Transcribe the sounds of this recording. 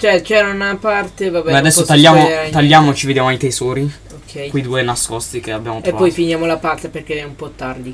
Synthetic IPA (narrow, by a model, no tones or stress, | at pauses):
t͡ʃɛt͡ʃɛɾanapart̪evabɛɛad̪ɛsːot̪aʎːaːmot̪aʎːaːmoet͡ʃived̪jaːmoajt̪ezɔːɾi | okʰːɛjkujd̪uːenaskɔst̪ikeabːjaːmot̪eovapːɔjfinjaːmolapart̪eperk̟eɛumpɔt̪ːard̪i